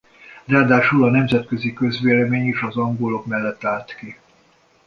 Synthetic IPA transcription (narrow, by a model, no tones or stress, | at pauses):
raːd̪aːʃulɒnɛmzɛt̪̚køzikø̞zʋeːlɛmeːɲeːʃɒzɒŋɡolo̞kmɛlːɛt̪ːaːlt̪ki